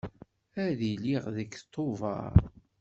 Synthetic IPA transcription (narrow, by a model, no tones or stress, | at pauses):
æðiliʁðəkt̪ˤʰːovɑ̰ɾˤ